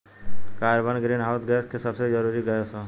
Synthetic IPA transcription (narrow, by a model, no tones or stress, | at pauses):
kaɾbənɡɾinɦaʊsɡɛskʰesəbsed͡ʒʌɾuɾiɡəjosʰʌ